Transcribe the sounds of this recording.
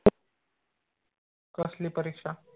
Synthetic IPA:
kəsliːpəɾikʂa

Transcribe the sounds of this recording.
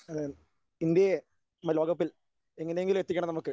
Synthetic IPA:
ɐ | ind̪jeje | mɐlo̞ːɡɐpːil | e̞ŋːɐne̞jeŋɡiluet̪ːikʲːɐɳɐmnɐmukːɨ

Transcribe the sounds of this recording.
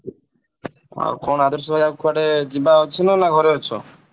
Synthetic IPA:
a̰kɔnad̪ʱɔɾsɔbʱajakʰaɽed͡ʒibaɦɔt͡ʃʰinɔnaɡʱɔɾeɔt͡ʃʰɔ

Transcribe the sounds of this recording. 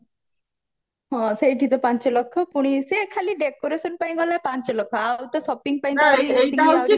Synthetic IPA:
ɦɔ̃seiʈʰit̪ɔpaɲt͡ʃɔlɔkʰːɔpuɽ̃isekʰaliɖekoɾesənpaĩɡɔlːapãɲt͡ʃɔlɔkʰːɔawt̪ɔsɔpiŋɡ̚paĩaiet̪ia

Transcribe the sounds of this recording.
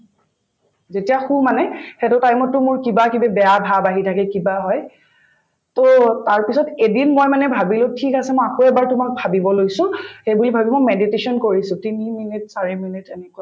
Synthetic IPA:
zetijaxumanɛxetʊtajmɔtːʊmʊɹkibakibɛbɛjabʱabaɦitʰakɛkibaɦɔj | totaɹpisɔtedinmojmanɛbʱabilʊtʰikasɛmɔjakoɛbaɹtʊmak̚bʱabibɔlojsʊ̃xejbulibʱabimojmeditesɔnkoɹisʊ̃tiniminit̚saɹiminitɛnɛkua

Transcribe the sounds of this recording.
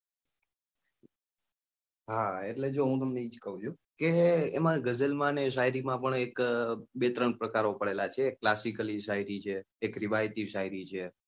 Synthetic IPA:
ɦaeʈled͡ʒoɦũt̪əmneid͡ʒkəɦũd͡ʒʰũ | keːmãɡəd͡ʒəlmãneʃ̬aɦiɾimãpəɳekbet̪ɾəɳpɾəkaɾopəɭelat͡ʃʰekːlasikəliʃaɦiɾit͡ʃʰeː | kɾiʋajt̪iʃaiɾit͡ʃʰe

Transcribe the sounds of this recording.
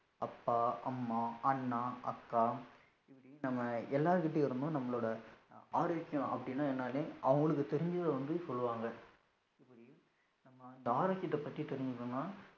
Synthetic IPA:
ɐpːaːɐmːaːɐnːaːʔɐkːaː | ɪpːɐɽinɐmːɐɛlːaːɾɯkɪʈ̬ːeɪɾɯnd̪õnɐmːɐɭoːɽɐaːɾɐːkːɪjʊ̃ʔɐ̰pːɐɽɪnːaːɛnːaːlẽʔɐʋɐŋɡɐɭɯk̬ːɯt̪ɛɾɪɲd͡ʒɯðʋɐnd̪ɯsɔlːɯʋaːŋɡɐ | ɪpːɐɽi | nɐmːɐɪnd̪ɐaːɾaːt͡ʃːɪt̪ːɐpːɐt̪ːit̪ɛɾɪɲd͡ʒɯkːɯnːaː

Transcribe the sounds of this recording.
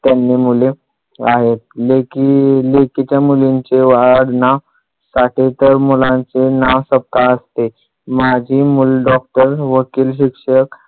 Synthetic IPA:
t̪janːimule | aɦet̪̚lekilekit̪jamuliɲt͡seʋaɽna | saʈʰet̪əɾmulãnt͡senaʋsəp̚k̪aəst̪e | mad͡ʑʱiːmulɖɔk̚ʈəɾʋəkiːlɕ̬ikʂək

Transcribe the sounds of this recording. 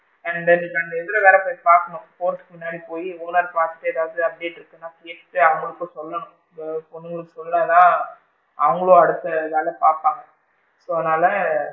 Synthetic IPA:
ɛɳd̪ɛnkɐɳɖɛðɪlɐʋeːɾɐpoːjpaːɾkɐɳʊ̃poːɾskɯmʊnːaːɽipoːjiuːnaːɾpaːɾt̪ɯ̥ʈːɯɛðaːʋɐðɯɐp̚ɽeʈːɪɾɯkːɯnːãːkeːʈːɯɐʋɐŋɡɐɭɯkːoːsɔlːɐɳʊ̃ | pɔnːɯŋɡɐɭɯkːɯsɔllɐːnaː | ɐʋɐŋɡɐɭõːɐɽɯt̪ːɐðaːlɐpaːɾpaːŋɡɐ | soːðnːaːlɐ

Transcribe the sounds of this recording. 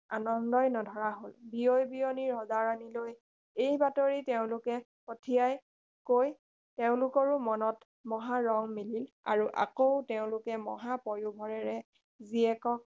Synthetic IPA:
a̰nɔndɔjnɔdʱɔɹaɦolbiojbijoniɹɦɔzaɹaniloj | ejbatoɹiteʊ̃lʊkɛ | potʰijaj | koj | teʊ̃lʊkɔɹumɔnɔt | mɔɦaɹɔŋmilil | a̰ɹuʔa̰koʊteʊ̃lʊkɛmɔ̰ɦapɔɹjubʱɔɹɛɹɛ | ziɛkɔk

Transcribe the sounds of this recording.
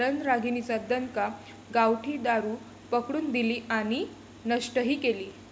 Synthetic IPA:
ɾənɾaɡʱinit͡səd̪ənka | ɡawʈʰiːd̪aɾuː | pəkɽuːnd̪iliːʔaɽ̃i | nəʂʈəɦiːkeliː

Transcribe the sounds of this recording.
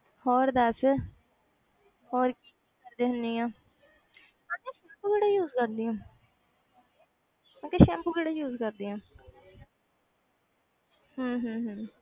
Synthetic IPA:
hɔːɾd̪ɛːs | hɔːɾkiːikəɾd̪eːɦʊnd̪iːãː | ãːkeːʃɛːmpuɡəɽaːjuːzkəɾd̪iːõː | ãːkeːʃɛ̃ːmpuɡəɽaːjuːzkəɾd̪iːãː | ɦə̃ːɦə̃ːɦə̃ː

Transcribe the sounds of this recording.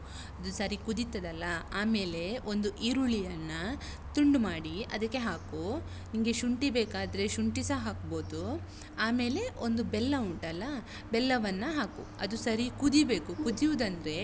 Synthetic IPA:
ɐd̪usɐɾikud̪it̪ːɐd̪ɐlːɐaːme̞ːle̞o̞nd̪uʔiɾuɭijɐnːɐ | t̪uɳɖumaːɽiɐ̰d̪ɐkːe̞ɦaːku | niŋɡe̞ʃuɳʈibeːkaːd̪ɐɾe̞ʃuɳʈisɐɦaːkbo̞ːd̪u | aːme̞ːle̞ʔo̞nd̪ubɛlːɐuɳʈɐlːɐ | bɛlːɐʋɐnːɐɦaːkṵɐ̰d̪usɐɾikud̪ibe̞ːkukud̪ijud̪ɐnd̪ɐɾe̞

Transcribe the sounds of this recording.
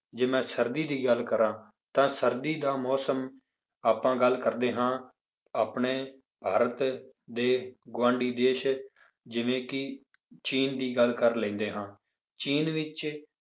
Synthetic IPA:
d͡ʒeːmɛ̃ːsəɾd̪iːd̪iːɡəlkəɾãː | t̪ãːsəɾd̪iːd̪aːmɔːsəm | aːpãːɡəlkəɾd̪eːɦãː | aːpɳeː | b̥ʱaːɾət̪ | d̪eːɡãːɳɖiːd̪eːʃ | d͡ʒɪʋẽːkɪ | t͡ʃiːnd̪iːɡəlkəɾlɛ̃ːnd̪eːɦãː | t͡ʃiːnʋɪt͡ʃ

